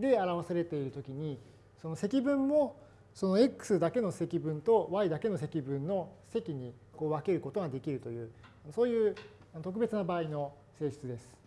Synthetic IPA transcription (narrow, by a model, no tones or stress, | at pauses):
d̪e̞aɾaβasaɾe̞t̪e̞iɾɯ̟t̪o̞kʲiɲ̟i | so̞no̞se̞kʲibɯ̟̃mːo̞ | so̞noekːɯ̟̥sɨd̪ake̞no̞se̞kʲibɯ̟̃nt̪o̞βaid̪ake̞no̞se̞kʲibɯ̟̃nːo̞se̞kʲiɲ̟i | ko̞ːβake̞ɾɯ̟ko̞t̪o̞ɡad̪e̞kʲiɾɯ̟t̪o̞jɯ̟ːanoso̞ːjɯ̟ː | anot̪o̞k̬ɯ̟be̞t͡sɨnabaːino̞ | se̞ːɕɨ̥t͡sɨd̪e̞sɨ̥